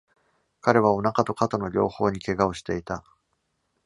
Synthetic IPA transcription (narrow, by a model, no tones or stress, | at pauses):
kaɾe̞β̞ao̞nakat̪o̞kat̪ono̞ɾʲo̞ːho̞ːɲ̟ike̞ɡaoɕi̥t̪e̞it̪a